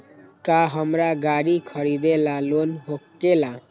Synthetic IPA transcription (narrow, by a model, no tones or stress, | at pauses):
kaɦəmɾaɡaɽikʰəɽid̪elalonɦokːela